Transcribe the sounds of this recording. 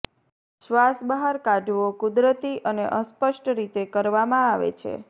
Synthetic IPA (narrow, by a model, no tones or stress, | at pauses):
ʃʋasbəɦaɾkaɖʱʋokud̪ɾət̪iʔəneʔəspəʃʈɾit̪ekəɾʋamãaʋḛt͡ʃʰḛ